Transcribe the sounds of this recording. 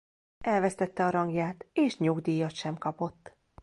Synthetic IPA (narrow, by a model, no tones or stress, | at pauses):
ɛlvɛst̪ɛt̪ːɛɒɾɒŋɡjaːt̪eːʃɲoɡd̪iːjːɒt̪ʃɛmkɒpo̞t̪ː